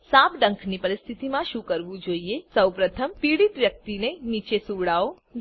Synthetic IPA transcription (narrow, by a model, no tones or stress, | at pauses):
sapɖə̃ŋkʰnipəɾɪst̪ʰit̪imãʃukəɾʋũd͡ʒoːiesəwpɾət̪ʰəmpiːɽit̪ʋjək̚t̪ineniːt͡ʃesuʋɽao